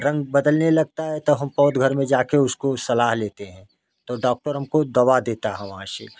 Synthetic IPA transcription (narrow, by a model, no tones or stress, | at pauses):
ɾɐ̃ŋɡbɐd̪əlnelɐɡ̚t̪aɦɛt̪oɦɐmpɔːt̪ɡʱɐɾmẽd͡ʒaːkeʊskosɐlaːɦleːt̪eɦɛ̃ː | t̪oɖɔːk̚ʈəɾɦɐmkod̪ɐʋad̪eːt̪aɦɛ̃ʋɐɦãʃḛ